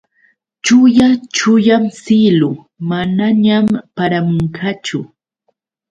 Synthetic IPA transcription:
t͡ʃʊjat͡ʃʊjamsɪlʊ | manaɲampaɾamʊɴkat͡ʃʊ

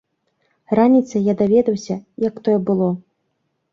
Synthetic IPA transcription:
ranʲit̪sɐjad̪avʲɛd̪ɐwsʲɐjɐkt̪ɔjɛbɨlˠɔ

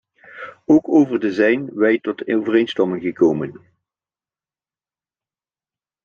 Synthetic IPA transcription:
owkowvərdəzɛjnʋɛjtɔtowvərejnstɑmɪŋɣəkowmən

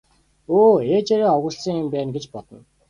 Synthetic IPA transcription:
oːeːt͡ɕeɾiːŋɔwɣə̆ɮsĭŋɪmpæːnɡet͡ɕpɔt̪ɞ̆n

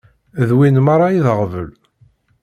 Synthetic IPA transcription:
ðwinmaɾˤɑiðəʁvəl

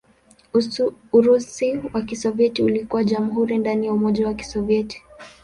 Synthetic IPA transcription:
uɾusiwakisɔviɛtiulikuwaʄamuɦuɾindanijaumɔʄawaki̥sɔviɛti̥

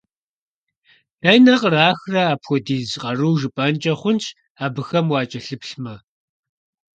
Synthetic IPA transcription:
d̥ɐjnɐqraːxrɐaːpxʷɔdiːzqʼɐruːʒɨpʼɐnt͡ʃʼɐχʷʊnt͡ʃʰʼ | aːbɨxɐmwɑːt͡ʃʼɐɬɨpɬmɐ

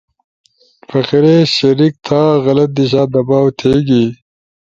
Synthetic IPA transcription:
fɐxiɾeɕɐɾik̚t̪ʰaːɣɐlɐt̪̚d̪iɕ̬aːd̪ɐbaːwt̪ʰeːɡi

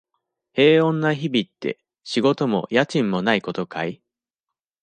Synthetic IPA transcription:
he̞ːõ̞nːaçibʲit̪ːe̞̰ | ɕiɡo̞t̪o̞mo̞̰jat͡ɕĩmːo̞naiko̞t̪o̞kai

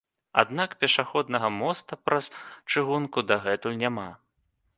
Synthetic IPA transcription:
a̰d̪nakpʲɛʂaxɔd̪nɐɣɐmɔst̪ɐpɾɐst͡ʂɨɣunkud̪aɣɛt̪ulʲnʲama

